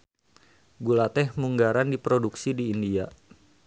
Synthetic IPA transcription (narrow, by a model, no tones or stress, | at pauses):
ɡulat̪ɛhmuŋɡaɾandipɾoduksidiːndia